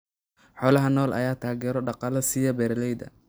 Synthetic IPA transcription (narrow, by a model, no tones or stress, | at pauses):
ħɔːlɐɦɐnɔːlʔɐ̰jaːt̪ʰaːɣɛːɾɔɖɑqɑlɐsijɐbɛːɾlɛjðɐ̰